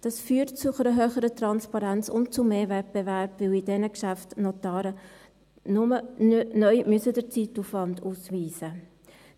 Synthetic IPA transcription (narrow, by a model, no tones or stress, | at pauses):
d̥ɑsfyːtt͡sʊχəɾəɦøːχəɾətɾɑnspɑɾænt͡sʊntt͡sʊmeːɾvɛt̚b̥ɛvæɾbvɪwidɛnəkʃæftnotɑːɾə | nʊmənœʏmyəsədəɾt͡situfʋɑnduːsʋiːsə